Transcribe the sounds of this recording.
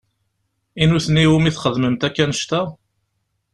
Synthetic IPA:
inuθənːiwumiθχəðməmt̪ækːænəʃt̪æ

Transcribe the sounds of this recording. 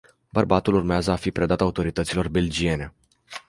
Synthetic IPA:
bərbat̪ulurmeazəafipɾe̞d̪at̪aut̪o̞ɾit̪ət̪silo̞rbe̞ld͡ʒie̞ne̞

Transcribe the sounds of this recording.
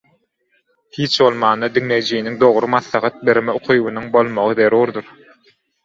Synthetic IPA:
hiːt͡ʃbo̞lˠmɑːnd̪ɑd̪iŋle̞jd͡ʒijiniŋd̪o̞ʁɾɯmɑθlˠɑχɑt̪̚be̞ɾmeoqʰujβunuŋbo̞lˠmoʁɯðe̞ɾuːɾd̪uɾ

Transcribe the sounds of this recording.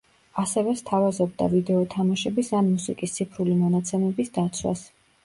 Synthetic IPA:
asɛvɛst̪ʰavazɔbd̪a̰vid̪ɛɔt̪ʰamaʃɛbisanmusikʼist̪sʰipʰɾulimɔnat̪sʰɛmɛbisd̪at̪sʰwa̰s

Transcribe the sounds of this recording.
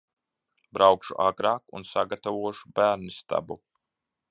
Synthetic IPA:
bɾawkʃuʔaɡɾaːkṵnsaɡat̪avuɔʃu̥bæːɾnist̪a̰bu

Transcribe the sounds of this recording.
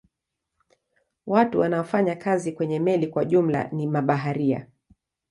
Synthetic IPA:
watuwanaɔfaɲakazikwɛɲɛmɛlikwaʄum̩la̰nimaɓaɦaɾia̰

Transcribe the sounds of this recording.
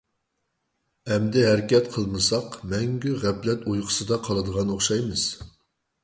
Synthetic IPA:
ɛmd̪ɪɦɛɾɪkʲɛt̪qʰəlˠmɨsɑqmɛŋɡʲyʁɛplɛt̪ojqʰə̥sɨd̪ɑqʰɑlˠɨd̪əʁɑnoχʃɑjmɨz̥

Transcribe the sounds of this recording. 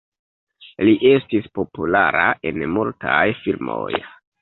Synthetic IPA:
liʔe̞stispo̞pulaɾaʔe̞nmultajfilmoj

